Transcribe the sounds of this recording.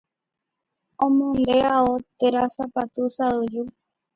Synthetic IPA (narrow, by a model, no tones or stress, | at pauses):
õmõnd̪eaot̪eɾasapat̪usaɨd͡ʒu